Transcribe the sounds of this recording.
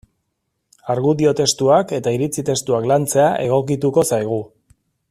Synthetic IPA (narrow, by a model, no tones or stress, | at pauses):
aɾɣuðio̞t̪e̞st̪uake̞t̪aiɾit͡sit̪e̞st̪uaklant͡se̞aʔe̞ɣ̞o̞k̬it̪uko̞sajɣ̞u